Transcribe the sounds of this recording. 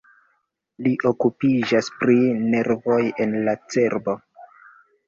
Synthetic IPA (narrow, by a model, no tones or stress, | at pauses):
liʔo̞kupid͡ʒaspɾine̞ɾvo̞je̞nlat͡se̞ɾbo̞